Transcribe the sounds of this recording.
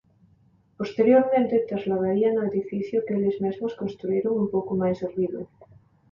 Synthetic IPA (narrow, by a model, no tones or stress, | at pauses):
post̪eɾjoɾmẽnt̪et̪ɾazlaðaɾianʊeðifiθjokelɪzmezmoskonst̪ɾueɾoŋumpowkomajseɾβiβḛ